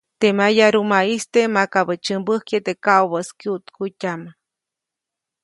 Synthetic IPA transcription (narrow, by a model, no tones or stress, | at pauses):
t̪emajaɾumaist̪emakaβət͡ʃɨmbəhkjet̪ekawβəskiut̪kutʲama